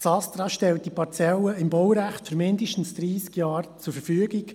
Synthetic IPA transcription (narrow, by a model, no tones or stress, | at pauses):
sɑst̪ɾɑʃtɛlt̚dipɑɾt͡sɛləɪmbɔwɾæχtfyɾmɪndɪʃtn̩sd̥̪ɾiːskjɑːɾt͡sʊɾfəɾfyːɡɪk